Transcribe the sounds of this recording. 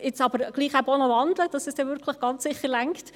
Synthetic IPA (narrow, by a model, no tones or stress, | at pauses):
ɪt͡sɑbəɾɡ̥liːχæbonəʋɑnd̪ləd̥ɑsɛsd̥ɛʋʏɾkʰləχɡ̥ɑnt͡ssɪχəɾlæŋkt